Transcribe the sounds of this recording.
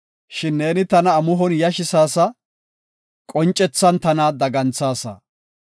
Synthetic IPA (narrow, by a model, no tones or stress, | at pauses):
ʃɪnːe̞ːnɪt̪ɐnɐːmʊɦɔnjɐʃɪsaːsɐ | kʼɔnt͡ʃʼːɛt͡sːɐnt̪ɐnaːd̪ɐɡɐnt͡sːaːsɐ̰